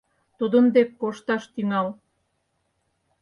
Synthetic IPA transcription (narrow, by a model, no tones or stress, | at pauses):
t̪ud̪ənd̪ekːoʃt̪ɑʃt̪yŋɑl